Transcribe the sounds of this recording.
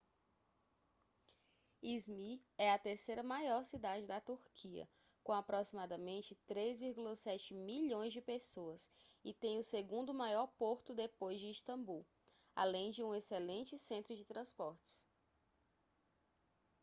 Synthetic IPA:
izmiɛɐt̪eɾsejɾɐmajɔɾsid̪ad͡ʒɪd̪ɐt̪uɾkʰiɐ̰ | kõapɾosimad̪ɐmẽnt͡ʃɪt̪ɾezviɾɡulɐsɛt͡ʃɪmiʎõj̃zd͡ʒɪpesoɐsɪt̪ẽj̃ʊseɡũnd̪ʊmajɔɾpoɾt̪ʊd̪epojzd͡ʒɪiʃt̪ɐ̃mbuw | a̰lẽj̃d͡ʒɪũeselẽnt͡ʃɪsẽnt̪ɾʊd͡ʒɪt̪ɾɐ̃spɔɾt͡ʃɪ̥s

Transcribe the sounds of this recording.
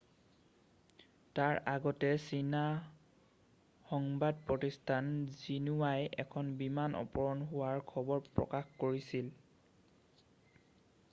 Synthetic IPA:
taɹʔaɡɔtɛsina | xɔŋbad̚pɹotistʰanzinuwajɛkʰɔnbimanʔɔ̰pɔɹɔnɦʊwaɹkʰɔbɔɹpɹɔ̰kaxkoɹisil

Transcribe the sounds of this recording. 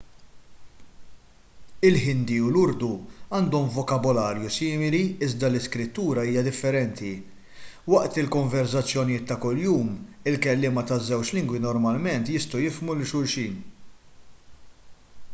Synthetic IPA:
ɪlħɪnd̪iulʊɾd̪uɐːnd̪ɔmvɔkɐbɔlɐːɾjusɪːmɪliɪzd̪ɐlɪskɾɪt̪ːuːɾɐiːjɐd̪ɪfːɛɾɛnt̪i | wɐʔt̪ɪlkɔɱvɛɾsɐt͡sːjɔnijɪːt̪ːɐkʊljuːmɪlkɛlːɪːmɐt̪ɐzːɛwt͡ʃlɪŋɡwinɔɾmɐlmɛnt̪jɪst̪ɔwjɪfmulɪʃʊɾʃiːn

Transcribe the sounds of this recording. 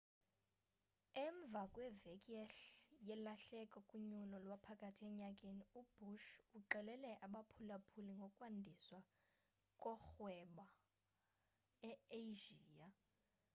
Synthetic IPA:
ɛɱb̪vʱakʼwɛvekʼiɛɬjɛlaɬɛkʼɔkʼuɲulɔlwapʰakʼatʰiɛɲakʼeniub̥uʃuǃɛlɛlɛʔaɓapʰulapʰuliŋɡʱɔkʼwandʱiswa | kʼɔxwɛɓa | ɛeʒiːa

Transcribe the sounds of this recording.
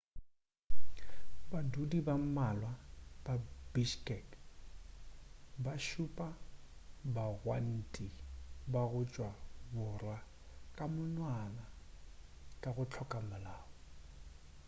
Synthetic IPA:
badudibammalwababiʃkʼɛk | baʃʊpʼa | baɣwan̩tʼibaɣʊt͡ʃʼwabʊra | kʼamʊnwana | kʼaɣʊt͡ɬʰɔkʼamʊlaːbɔ

